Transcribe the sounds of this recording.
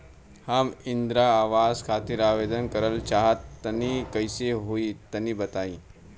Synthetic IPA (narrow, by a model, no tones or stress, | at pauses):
haːmind̪ɾaːʋaːzkʰaːt̪iɾaːʋeːd̪ənkəɾəlt͡ʃaɦət̪ːənikəjseɦoit̪əniːbɐt̪aːĩ